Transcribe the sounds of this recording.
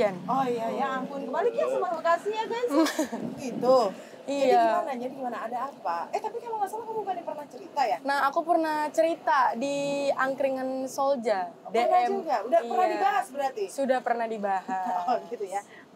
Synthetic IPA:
anojajaampʊnkəmbalikiasəmalokasijabanɡit̪u | id͡ʒadiaɡimanaɲabəɡimanaːdaːpaɛht̪apikalamasalakəmukanjapərnaht͡ʃəɾit̪ajanahakupərnaht͡ʃəɾit̪adiaŋkɾiŋansold͡ʒadeənaɛd͡ʒuɡaudahiərnahdibaɦasbəɾat̪isudahpərnahdibaɦaɡit̪uja

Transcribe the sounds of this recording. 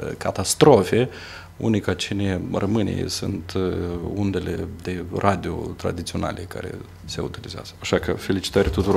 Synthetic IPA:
kʰat̪ast̪ɾo̞fe̞ | ṵnikat͡ʃinerʔəmɨnḛḛsṵnt̪und̪e̞lḛd̪e̞rʔad̪io̰t̪ɾa̰d̪it̪sio̞na̰lʔeka̰ɾe̞̰ | se̞ut̪ilizea̰z̥əaʃakə̰fe̞lit͡ʃi̥t̪aɾʲat̪ut̪uɾo

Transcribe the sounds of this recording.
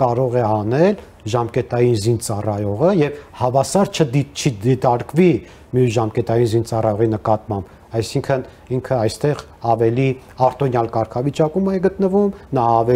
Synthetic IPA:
kɑɾɔʁɛɑnɛl | ʒɑmkɛt̪ɑjinzint͡sɑrɑjɔʁəjɛvhɑvɑsɑɾt͡ʃʰəd̪it͡ʃʰiit̪ɑɾkvi | mijusʒɑmkɛt̪ɑjinzint͡sɑrɑjɔʁinəkɑt̪mɑmb | ɑjsiŋkʰən | iŋkʰəɑjst̪ɛʁ | ɑvɛli | ɑɾt̪ɔnjɑlkɑɾkʰɑvit͡ʃɑkumɛɡət̪nəvumnɑːvɛ

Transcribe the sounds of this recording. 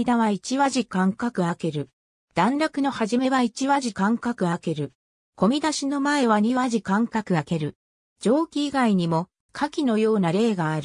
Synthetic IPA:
id̪aβait͡ɕiβaʑikãŋkakɯ̟ake̞ɾɯ̟ | d̪̥ãnɾakɯ̟no̞haʑime̞βait͡ɕiβaʑikãŋkakɯ̟ake̞ɾɯ̟ | ko̞mʲid̪aɕino̞mae̞βaɲ̟iβaʑikãŋkakɯ̟ake̞ɾɯ̟ | d͡ʑo̞ːkʲiːɡaiɲ̟imo̞ | kʰakʲino̞jo̞ːnaɾe̞ːɡaːɾɯ̟

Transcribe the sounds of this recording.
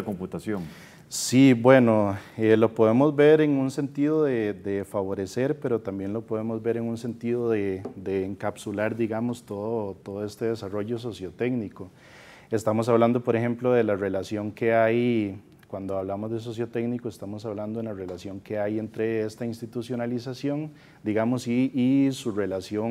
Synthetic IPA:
komput̪asjoŋ | sibwe̞no̞elo̞poð̞e̞mozbe̞ɾeŋunse̞nt̪iðoðed̪efaβo̞ɾe̞se̞ɾpe̞ɾo̞t̪ambje̞nlo̞po̞ðe̞mozbe̞ɾe̞ŋunse̞nt̪iðoðed̪eːŋkapsulaɾd̪iɣamost̪oðot̪o̞ðoe̞st̪e̞ðesaro̞ʝos̬o̞sjot̪e̞ɡniko | e̞st̪amos̬aβland̪o̞po̞ɾexe̞mploðe̞lare̞lasjo̞ŋke̞aj | kwand̪oaβlamozd̪e̞s̬o̞s̬jo̞t̪e̞ɡnikoest̪amo̞saβland̪o̞enlare̞lasjo̞ŋke̞aje̞nt̪ɾe̞e̞st̪ainst̪it̪usjo̞nalisasjo̞ŋ | d̪iɣamosiːsure̞lasjoŋ

